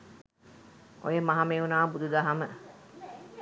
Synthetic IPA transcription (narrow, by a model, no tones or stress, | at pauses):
ʔojemaɦameunaːbud̪ud̪aɦamə